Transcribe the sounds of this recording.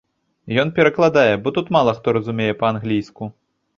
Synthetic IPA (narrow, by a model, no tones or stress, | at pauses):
jɔnpʲɛɾɐklˠad̪ajɛbɔt̪ut̪malˠɐxt̪ɔɾɐzumʲejɛpɐanɣlʲijsku